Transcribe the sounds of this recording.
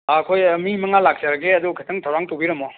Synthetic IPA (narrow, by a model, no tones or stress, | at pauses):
aɐkʰojmimɐŋalak̚saɾɐɡeɐdukʰɐtʰɐŋtʰawɾaŋtowbiɾɐmɔ